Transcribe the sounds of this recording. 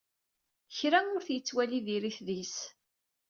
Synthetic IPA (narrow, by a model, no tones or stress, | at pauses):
çɾæʊɾθjət͡sːwæliðiɾiθðis